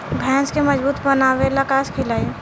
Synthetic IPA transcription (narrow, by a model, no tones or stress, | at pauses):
bʱɛ̃ːskeməd͡ʒbuːt̪bənaːwelakaːskʰɪlaːie